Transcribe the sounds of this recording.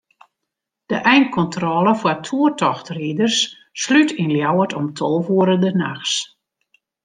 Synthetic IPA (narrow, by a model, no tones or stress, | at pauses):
d̥əʔɛjnt̚kɔntrɔːlˠəfwatʰuətɔxtridərsː | lytʰinljawətʰɔmtʰolˠvuəɾədənaxs